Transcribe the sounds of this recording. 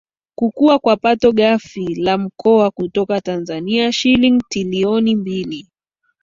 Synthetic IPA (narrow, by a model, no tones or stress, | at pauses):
kukuakwapatɔɠafilam̩kɔakutɔkatanzaniaʃiliŋtiliɔnimbili